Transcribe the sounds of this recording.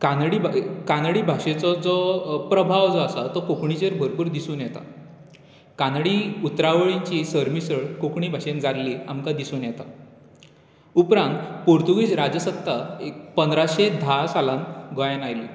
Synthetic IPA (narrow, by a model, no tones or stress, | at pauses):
kanɽibkanɽiːbʱaɕet͡sɔd͡zɔpɾəbʱaʋd͡zɔasat̪ɔkokɳit͡ɕeɾbʱəɾpuːɾd̪isuːnjɛt̪a̰ | kanɽiut̪ɾaʋəɭiɲt͡ɕisəɾmisəɭkokɳibʱaɕend͡zaɾlia̰mkad̪isuːnjɛt̪a̰ | upɾãnt̪poɾt̪uɡiːsɾad͡zəsət̪ːaepənd̪ɾaɕed̪ʱasalãnɡʱɔjanajlḭ